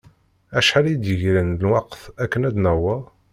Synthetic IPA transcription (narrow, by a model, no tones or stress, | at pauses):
æʃħalid̪jəʝɾənlwɑqθækːənæd̪næwə